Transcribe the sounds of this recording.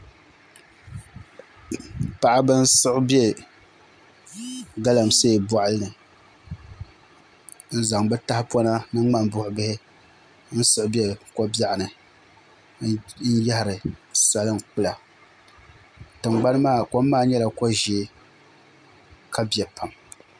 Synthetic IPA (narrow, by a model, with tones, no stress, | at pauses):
pa˦ʔa˦bɨ˦n̩˦sɨ˦ʔʊ˦bɛ˦ | ɡa˦la˨mse˦˨bɔ˨ʔa˦lɨ˦nɨ˨ | n̩˦za˨ŋbɛ˦ta˦hɪ˦pwɔ˦na˦nɨ˦a˦mbʊ˦hʊ˨bɪ˦hɪ˦ | n̩˦sɨ˦ʔʊ˦bɛ˦ko˦ba˦ʔa˨nɨ˨ | n̩˦ja˦hɪ˨ɾɨ˨sa˦lɨ˦n˨k͡pʊ˦la˨ | tɨ˨ŋ͡mɡ͡ba˦nɨ˦maː˦˨ko˦mː˦aː˦˨ɲɛ˦la˨ko˦ʒi˨˦ | kʰa˦bjɛ˨pa˨m